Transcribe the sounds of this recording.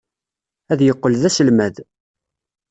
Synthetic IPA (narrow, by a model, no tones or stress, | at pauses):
æðjəqːəlðæsəlmæð